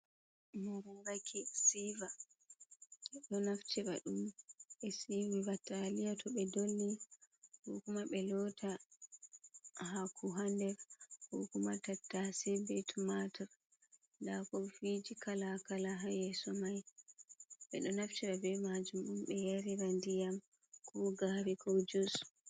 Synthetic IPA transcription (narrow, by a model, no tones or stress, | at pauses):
muɾuŋɡakʰisiva | ɛɗɔnaft͡ʃiɾa̰ɗumɓɛsiwivatalijatɔɓɛdolːihɔkumaɓɛlɔtʰa | hakʰuɦandɛɾhɔkumatatːasibɛtʰumataɾ | ndakɔfid͡ʒikalakalaɦajɛsɔmaj | ɓɛɗɔnaft͡ʃɛɓabɛmad͡ʒumɗumɓɛjaɾiɾandijam | kɔɡaɾikʰɔd͡ʒusu̥